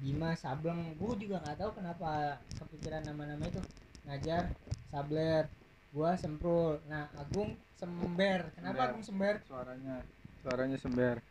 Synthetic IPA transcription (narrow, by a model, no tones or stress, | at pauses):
dimasabləŋbud͡ʒuɡaŋɡaʔt̪aukənapakəpikiɾanːamanamait̪ʊŋad͡ʒarsablər | ɡuasəmpɾʊlnahaɡʊŋ | səmbɛrkənapaːɡʊŋsəmbɛrsaɾaɲasoaɾaɲasəmbɛr